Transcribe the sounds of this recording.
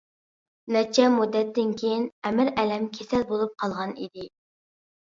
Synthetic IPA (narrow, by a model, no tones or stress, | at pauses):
nɛt͡ʃʰɛmud̪ːɛt̪ːɪnkʲʰejinɛmɪɾɛlɛmkʲʰesɛlbolˠup̚qʰɑlˠʁɑnḭd̪ɪ